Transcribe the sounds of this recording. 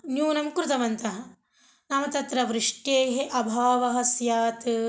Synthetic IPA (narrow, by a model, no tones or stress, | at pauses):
njuːnɐmkɾut̪ɐmɐnt̪ɐɦɐ̆ | naːmɐt̪ɐt̪ɾɐʋɾɪʂʈjeːɦeʔɐbʱaːʋɐɦɐ̆sjaːt̪ɨ